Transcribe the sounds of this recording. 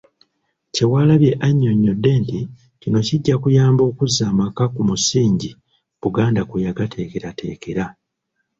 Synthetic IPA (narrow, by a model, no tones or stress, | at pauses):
ce̞waːlaβje̞ʔaɲːo̞ɲːo̞dːe̞ːnti | cino̞ciɟːakujaːmbo̞ːkuzːaːmakakumusiːɲɟi | b̥uɡaːndakujaɡatʰe̞ːke̞ɾate̞̰ːke̞ɾa